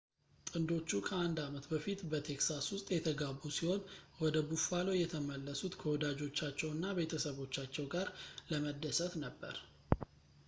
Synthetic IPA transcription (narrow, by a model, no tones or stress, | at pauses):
t̪ʼɨnd̪o̞t͡ʃːukʰəand̪amət̪bəfit̪bət̪ʰe̞ksaswʊst̪ʼjɛt̪ʰəɡaβːusihonwɔd̪əbufalojɛt̪ʰəməlːəsut̪kʰəwɔd̪ad͡ʒo̞t͡ʃːat͡ʃːɛwnːabe̞t̪ʰəsəβo̞t͡ʃːat͡ʃːɛwɡaɾləməd̪ːəsət̪nəbːə̰ɾ